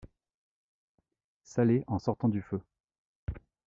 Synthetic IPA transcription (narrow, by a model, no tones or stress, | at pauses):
saleʔɑ̃sɔʁt̪ɑ̃d̪yfø